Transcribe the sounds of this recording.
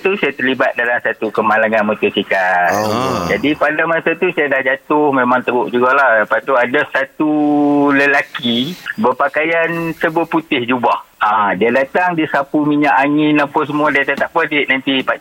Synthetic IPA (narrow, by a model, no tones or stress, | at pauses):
t̪usajat̪ərlibat̪̚dalamsat̪ukəmalaŋanmut̪usika | d͡ʒadipadamasat̪usajadahd͡ʒat̪ʊhmemaŋt̪əɡʊʔd͡ʒuɡalahdapat̪uadasat̪uləlakibəpakajansəbuaput̪ɪhd͡ʒubahadiadat̪aŋdisapumiɲaʔaŋɪnapəs̬əmuadiat̪at̪aʔpadiʔnant̪ipa